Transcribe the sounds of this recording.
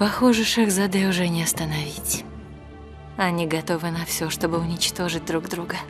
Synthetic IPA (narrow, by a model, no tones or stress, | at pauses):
pɐxoʐɨʂɛxzɐd̪ɛʊʐɛnʲɪɐst̪ənɐvʲitʲ | ɐnʲiɡɐt̪o̞vɨnɐfsʲoʂt̪o̞bɨʊnʲɪt͡ɕt̪o̞ʐɨt̚ʲd̪ɾuɡd̪ɾuɡə